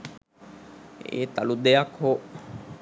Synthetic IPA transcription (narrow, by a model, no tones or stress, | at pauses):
ḛːt̪alud̪ejakho